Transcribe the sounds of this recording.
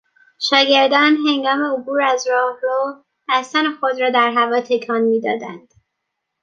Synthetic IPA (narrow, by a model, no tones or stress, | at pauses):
ʃɒːɟe̞ɾd̪ɒnɦe̞ŋɡɒːme̞obuːɾæzɾɒːhɾo̥ | æst̪ænexod̪ɾɒːd̪æɾɦævɒːt̪ʰe̞cʰɒːnmiːd̪ɒːd̪ænd̪̥